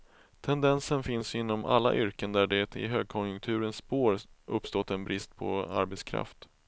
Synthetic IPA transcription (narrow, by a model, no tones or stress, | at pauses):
t̪ʰɛnd̪ɛnsənfɪnsɪnːɔma̰lːa̰ʔʏɾkənd̪æɖɛt̪ɪ̰ɦøːɡ̚kʰɔnjɵŋkt̪ʰʉ̟ːɾənspoːɾɵpːst̪ɔt̪ːɛnbɾɪst̪̚pʰɔ̰a̰ɾbɛt̪skʰɾa̰ft̪